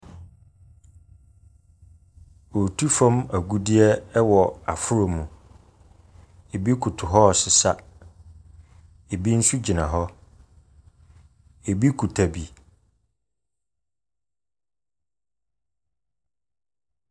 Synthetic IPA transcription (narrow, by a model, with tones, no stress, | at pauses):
o˨tʰu˦fã˦mæ˨ɡu˦di˦ɛ˦wɔ˨a̰˨fʊ˦ɾo˨mũ˨ | e˨bi˦kʰu˨tʰʊ˨ɦɔ˦ɔ˨sɪ˨sa˦ | e˨bi˦n̩˦su˦d͡ʑi˨nã˨ɦɔ˦ | e˨bi˦kʰu˨tʰa˨bi˨